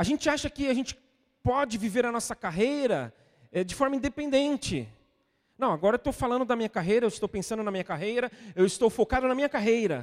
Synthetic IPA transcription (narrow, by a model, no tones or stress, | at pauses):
aʒẽt͡ʃɪaʃɐkɪaʒẽnt͡ʃɪ̥ | pɔd͡ʒɪviveɾɐnɔsɐkaɦejɾɐ | ɛd͡ʒɪfɔɾmɐĩd̪epẽnd̪ẽnt͡ʃɪ | nɐ̃w̃aɡɔɾɐewt̪owfalɐ̃nd̪ʊd̪ɐmĩɲɐkaɦejɾɐewɪst̪owpẽsɐ̃nd̪ʊnɐmĩɲɐkaɦejɾɐewɪst̪owfokad̪ʊnɐmĩɲɐkaɦejɾɐ̰